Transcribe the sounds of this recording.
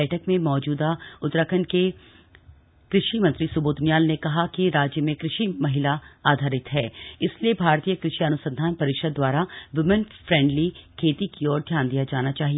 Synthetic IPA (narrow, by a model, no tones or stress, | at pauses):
ɛːʈʰəkmẽmɔːd͡ʒuːd̪aʊt̪ɾəkʰənke | kɾɪʃimɐ̃nt̪ɾisʊboːd̪ʊnjaːlnekɐɦakiɾaːd͡ʒjəmẽkɾɪʃimɐɦɪlaaːd̪ʱaːɾɪt̪ɦɛːɪsliebʱaːɾt̪iːjəkɾɪʃiɐnʊsə̃nd̪ʱaːnpɐɾɪkʃəd̪̚ːwaːɾaʋɪmənfɾɛ̃ːɳɖlikʰeːt̪ikiɔːɾd̪ʱjaːnd̪ijad͡ʒaːnat͡ʃaːɦie